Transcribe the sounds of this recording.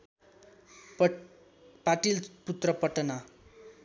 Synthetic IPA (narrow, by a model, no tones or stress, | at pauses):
paʈilput̪rʌpʌʈna